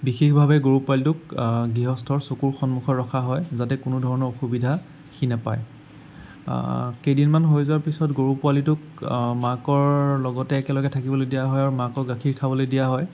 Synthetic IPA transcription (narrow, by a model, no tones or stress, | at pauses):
bixexbʱabɛɡoɹupʊalitʊkɡɹiɦɔstʰɔɹsokuɹxɔnmuxʰɔːɔkʰaɦɔjzatɛkʊnʊdʱɔɹɔnɔɹoxubidʱa | xinapa̰j | kejdinmanɦojzʊaɹpisɔtɡoɹupwalitʊk | makɔɹlɔɡɔtɛːkɛlɔɡɛtʰakibɔlodijaɦɔjaɹumakɔɡakʰiɹkʰabɔlojdijaɦɔj